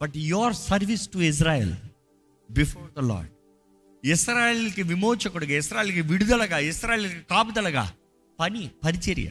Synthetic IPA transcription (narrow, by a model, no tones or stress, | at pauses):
b̥ɐʈjoɾsɐɾʋisʈuis̬ɾaːjḛl | bifɔːɾd̪ɐlɔ̰ːɾɖ | isɾaːjelkiʋimoːt͡ʃɐkuɽuɡaːisɾaːjeːlkiʋiɽud̪ɐlɐɡaːisɾaːjelkikaːpud̪ɐlɐɡa̰ː | pɐnipɐɾit͡ʃiɾ̰jɐ̰